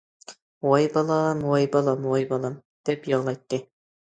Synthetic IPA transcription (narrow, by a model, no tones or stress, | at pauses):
wojbɑlˠɑmwojbɑlˠɑmwojbɑlˠɑm | d̪̥ɛpjɑʁlˠɑjt̪ːɨ